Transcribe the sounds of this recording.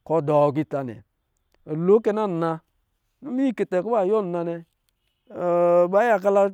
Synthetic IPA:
kɔ˨dɔ˨ɡ̬i˦˨ta˨nɛ̰˨ | lo˨˦ke˦na˦n˨na˧ | nu˦mi˦˨ke˨te˨ko˦ba˦˨jo˦n˨na˨nɛ˦˨ | ba˦ja˨ka˦la˦

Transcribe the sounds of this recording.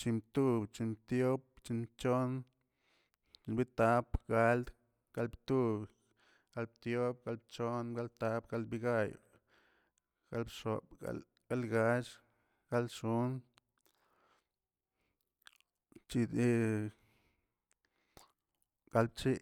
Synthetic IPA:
t͡ʃi˧mt̪u˦bt͡ʃi˧t̪jo˦p̚t͡ʃi˧t͡ʃo˦n | t͡ʃi˧nbi˦t̪a˧˦pɡa˧˦ld̪ | ɡ̥a˧lbt̪u˦b | ɡ̥a˧lbt̪jo˦b̚ɡa˧˦lb̚t͡ʃo˦nɡa˦lt̪a˧˦pɡa˧lbi˧ɡa˦j̰ | ɡ̥a˦lbʂo˨pa̰ | ɡa˦lɡa˧t͡ʃ | ɡ̥a˦lʃu˦n | t͡ʃi˧d̪i˦ | ɡ̥a˧lb̚t͡ʃi˦

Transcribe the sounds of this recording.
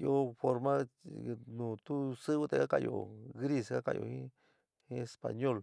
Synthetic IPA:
jo˦fo˧ɾmã˦ | nũ˨t̪u˦sɨ˦βɨ˦t̪a˧ka˦ka˧jo̰˨ɣɾi˦˧ska˦ka̰˧˨jʔo̰˧˨hĩ˦ | hĩ˦e˧spa̰˨ɲo˦˨l

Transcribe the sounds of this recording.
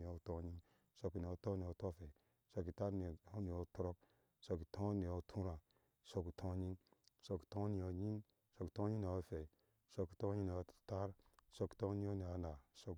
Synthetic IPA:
i˨o˨˦˨to˦ɲi˦n | so˧ki˨ni˨o˦to˦ni˨o˨to˦fe˨ | so˧ki˨ta˦ɾn˨o˦ni˨o˦to˦ɾo˦k̚ | so˧ki˨tʰõ˦ni˨o˨˦tʰu˦ɾã˨ | so˦ki˨tʰõ˦ɲi˦nso˧ki̥˨tõ˦ni˨o˨ɲi˦n | so˧ki̥˨to˦ɲi˦n˨o˨˦fe˨i˨ | so˧ki̥˨to˦ɲi˦n˨o˨ta˦ɾso˦ki̥˨to˦i˦o˦ni˨a˨na˨so˦k

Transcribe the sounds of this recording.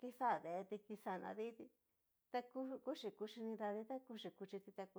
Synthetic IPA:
ki˧sa˦˨ðe˨˧t̪i˧ki˧sa˧˨nã̰˧ði˦t̪i˧ | t̪a˧ku˦ku˦ʂi˧˨ku˧ʂi˧nĩ˧ɾa˧ði˧t̪a˦ku˧˦ʂi˨ku˧t͡ʃi˧t̪i˧t̪a˧ku˧

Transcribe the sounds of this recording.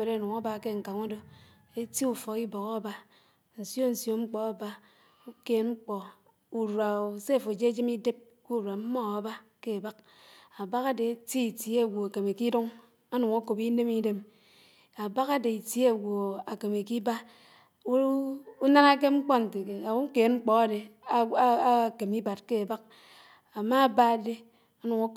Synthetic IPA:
e˨ɾnu˨ŋa˦ba˦˨ke˦˨ŋ̩˨ka˨ŋo˦do˦ | e˦ti˦u˨fɔ˨ki˦bo˨ka˦a˦ba˦ | n̩˨sjo˦n̩˨sjo˦ŋ͡m̩˦k͡pɔ˦a˨ba˦ | u˦ke˨˦ŋ͡m̩˦k͡pɔ˨ | u˨ɾwa˨o˨se˦˨fo˨d͡ʒe˦d͡ʒi˦mi˦de˦p̚ | ku˦˨ɾwa˨m̩˦mɔ˦a˨ba˦ke˦a˨ba˦k̚ | a˨ba˦ka˦de˨e˦ti˦i˨tje˦˨ɡʷo˨a˨ke˨me˨ki˦du˦ŋ | a˦nu˨ŋa˦ko˨pi˦ne˦mi˦de˦m | a˨ba˦ka˦de˨i˨tje˦˨wo˨a˨ke˨me˨ki˦ba˦ | u˦na˦na˦k̬e˦ŋ͡m̩˦k͡pɔ˦n̩˨te˨ke˨a˨˦ke˨nŋ͡m̩˦k͡pɔ˨a˦de˨˦ | a˦˨ke˨mi˦ba˨t̚ke˦a˨ba˦k̚ | a˨ma˦˨ba˦˨de˦ | a˦nu˨ŋa˦k

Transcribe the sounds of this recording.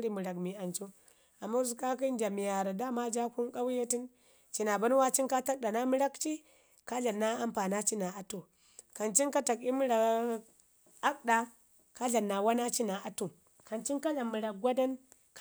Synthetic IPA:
ɾi˨mu˨ɾa˨kmi˨a˨nt͡ʃu˦ | a˨mːa˦zu˨ka˦ki˦nd͡ʒa˨mi˨ja˨ɾa˨da˦ma˦d͡ʒa˦ku˦nka˦wje˦ti˦n | t͡ʃi˨na˨ba˦n˦wa˦t͡ʃi˦nka˦ta˦k̚ɗa˨na˦mu˦ɾa˦kt͡ʃi˦ | ka˦ɮa˨nːa˦a˦mpa˨na˦t͡ʃi˦na˨a˨tu˨ | ka˨nt͡ʃi˦nka˦ta˨ki˦mu˦ɾa˨˦ | a˦k̚ɗa˨ | ka˦ɮa˨nːa˨wa˦na˦t͡ʃi˦na˨ʔa˨tu˨ | ka˨nt͡ʃi˦nka˦la˨mu˨ɾa˨k̚ɡʷa˦da˦n | k

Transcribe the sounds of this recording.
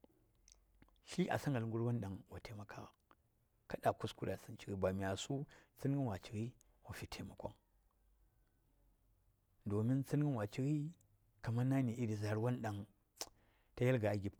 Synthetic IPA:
ʃi˦ʔa̰˨sa˦ŋɡa˨lŋ˦ɡu˦ɾwa˦nɗa˨ŋwa˨tʰe˨ma˨kʰa˦˨ | ka˦ɗa˨ku˦sku˨ɾa˨si˦nt͡ʃi˦ɡi˦ba˨mi˨a˨su˦t͡si˦n˦ɡi˦nwa˨t͡ʃi˨ɾi˦ | wa˨fi˨tʰe˨ma˨kʷa̰˦ŋ | do˨mi˦nt͡si˦n˦ɡi˦wa˨t͡ʃi˦ɣi˦ | ka˨ma˦na˦ni˨ʔi˦di˨za˨ɾwa˦nɗa˨ŋ | ta˦ja˦lɡa˨a˨ɡʲi˨p

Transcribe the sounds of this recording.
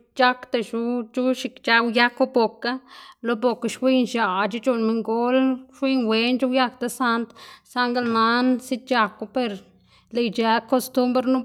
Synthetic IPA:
t͡ʃa˦kt̪a˧ʃu˧˦d͡ʒu˦ʃi˧kt͡ʃa˧wja˦ko˦bo˨ka˦lo˧bo˨ka˧ʃwi˦nʃa˨d͡ʒi˦d͡ʒu˧nmi˧ŋɡo˦lʃwi˦nwe˧nd͡ʒu˦wja˦k̚t̪a˧sa˧nt̪sa˧ŋɡa˧˦lna˧nsi˦t̪̚t͡ʃa˧ku˧pe˧ɾ | le˧jd͡ʒa˧ko˧st̪u˦mbɾnu˦

